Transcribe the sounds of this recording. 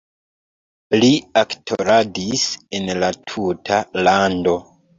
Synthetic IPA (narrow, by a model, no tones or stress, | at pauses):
liaktʰo̰ɾadisenlatʰutʰalando̞